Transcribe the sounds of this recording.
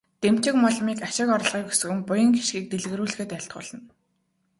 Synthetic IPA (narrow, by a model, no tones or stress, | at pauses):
t̪em̥t͡ɕɪ̆kmɔɮmiːkaʃɪ̆kɔɾ̆ɮʁiːku̥sɵ̆ɣɘ̆mpʊjə̆ŋɡi̥ʃɡiːk̚t̪eɮɣɘ̆ɾuːɮ̆xĕːt̪æɬt̪̚ɢʊ̰ːɮə̆n